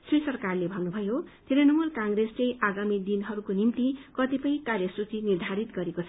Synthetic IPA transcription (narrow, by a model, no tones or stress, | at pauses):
srisʌrkarlebʱʌnnubʱʌjot̪ʰeɾʌnʌmulkãŋɡɾesrʌjʔaɡamid̪inɦʌɾukonimt̪ikʌt̪ipʌj̃karjʌsut͡sinird̪ʱaɾit̪ɡʌɾekot͡sʰʌ